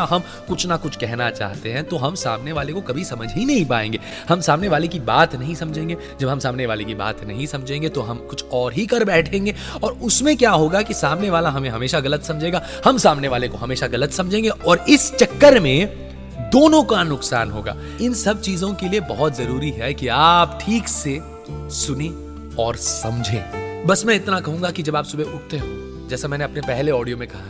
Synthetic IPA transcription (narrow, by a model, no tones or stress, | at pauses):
ɦɐm | kʊt͡ʃʰnakʊt͡ʃʰkɛɦnat͡ʃa̰ːɦt̪eɦɛ̃t̪oɦɐmsa̰ːmneʋaːlekokɐbʱisɐməd͡ʒʱɦinɐɦĩpa̰ːḛ̃ːŋɡeː | hɐmsaːmneʋaːlekibaːt̪nɐɦĩsɐmd͡ʒʱẽːŋɡeː | d͡ʒɐbɦɐ̃msaːmneʋaːlekiba̰ːt̪nɐ̰ɦĩsɐ̃md͡ʒʱẽːŋɡet̪oɦɐmkʊt͡ʃʰɔːɾɦikɐɾbɛːʈʰẽːŋɡeː | ɔːɾʊsmẽkjaːɦoːɡakisaːmneʋaːlaɦɐmẽɦɐmeːʃaɣɐlət̪sɐ̃md͡ʒʱeːɡaː | hɐmsaːmneʋaːlekoɦɐmeːʃaɣɐlət̪sɐ̃md͡ʒʱẽːŋɡeɔːɾɪst͡ʃɐkːəɾmẽ | d̪oːnõkanʊqsa̰ːnɦoːɡa̰ː | ɪnsɐb̚t͡ʃiːzõkeliebɐɦɔt̪zɐɾuːɾiɦɛkiaːpʈʰiːkse | sʊnẽ | ɔːɾsɐ̃md͡ʒʱḛ̃ːbɐsmɛ̃ɪt̪nakɐɦũːŋɡakid͡ʒɐbaːpsʊbʱeʔʊʈ̚ʰt̪eɦũː | d͡ʒɛːsamɛ̃ːneɐpnepɛɦleɔːɖijomẽkɐɦaɛ